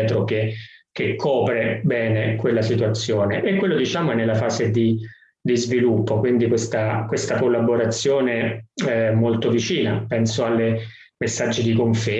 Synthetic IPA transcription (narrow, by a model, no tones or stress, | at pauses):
t̪ɾokek̟ekʰːɔːpɾebɛːnekwelːasit̪uat̪sːjoːneʔekːwelːod̪it͡ʃaːmoɛnelːafaːzed̪i | d̪izvilupːokwind̪ikwest̪akwest̪akolːaboɾat̪sːjoːne | molt̪ovit͡ʃiːnapɛnsoalːe | mesːad͡ʒːid̪ikoɱfe